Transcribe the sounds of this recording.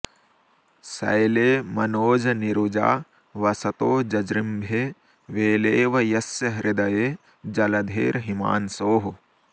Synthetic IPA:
sɐ̰jleːmɐnoːd͡ʒɐniɾud͡ʒa̰ː | ʋɐsɐt̪oːd͡ʒɐd͡ʒɾɪmbʱeː | ʋeːleːʋɐjɐsjɐɾʔɪd̪ɐjeː | d͡ʒɐlɐd̪ʱḛːɾɦima̰ːnsoːɦu

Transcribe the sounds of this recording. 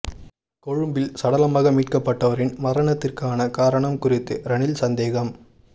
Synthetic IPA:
kɔɻɯmbɪlsɐɽɐlɐmaːɣɐmiːʈkɐpːɐʈːɐʋɐɾɪnmɐɾɐɳɐt̪ːɪrkaːnɐkaːɾɐɳɐmkʊrɪt̪ːɯɾɐɳɪlsɐnd̪eːɣɐm

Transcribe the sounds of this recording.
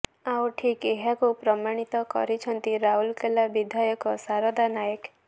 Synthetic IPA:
awʈʰikeɦakupɾɔmaɽ̃it̪ɔkɔ̰ɾit͡ʃʰɔnt̪iɾaɦulkelabid̪ʱajɔkɔsaɾɔd̪anajek

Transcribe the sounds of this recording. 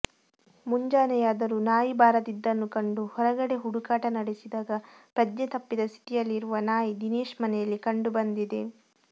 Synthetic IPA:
muɲd͡ʒaːnɛjaːd̪ɐɾunaːjibaːɾɐd̪id̪ːɐnːukɐɳɖuhɔɾɐɡɐɽe̞ɦuɽukaːʈɐnɐɽesid̪aːɡɐ | pɾɐd͡ʒnet̪ɐpːid̪ɐst̪ʰi̥t̪ijɐlːiɾuʋɐnaːjid̪ineːʂmɐnɛjɐlːikɐɳɖubɐnd̪id̪e̞

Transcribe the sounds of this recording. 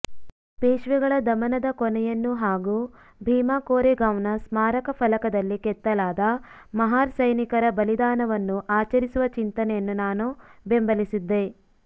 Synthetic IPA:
peːʃʋɛɡɐɭɐd̪ɐmɐnɐd̪ɐkɔnɛjɐnːuɦaːɡuː | bʱiːmaːkoːɾeɡɐʋnɐsmaːɾɐkɐpʰɐlɐkɐd̪ɐlːikɛt̪ːɐlaːd̪ɐ | mɐɦaːɾsɐjnikɐɾɐbɐlid̪aːnɐʋɐnːuʔaːt͡ʃɐɾisuʋɐt͡ʃint̪ɐnɛjɐnːunaːnube̞mbɐlisid̪ːe̞

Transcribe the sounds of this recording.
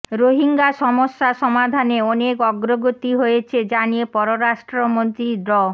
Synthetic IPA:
ɾoɦiŋɡaʃɔmoʃːaʃɔmad̪ʱaneɔnekɔɡɾoɡot̪iɦojet͡ɕʰed͡ʑanijepɔɾoɾaʃʈɾomont̪ɾiɖɔ

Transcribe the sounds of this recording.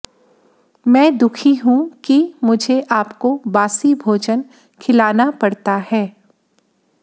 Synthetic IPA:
mɛ̃ːd̪ʊkʰiɦũkimʊd͡ʒʱeʔaːpkobaːsibʱoːd͡ʒən | kʰɪlaːnapɐɽt̪ahɛː

